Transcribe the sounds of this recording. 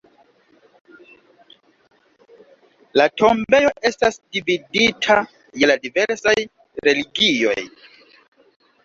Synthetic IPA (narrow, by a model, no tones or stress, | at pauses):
latʰo̞mbe̞jo̞ʔe̞stasdividitʰa | jeladive̞ɾsaj | ɾe̞liɡijo̞j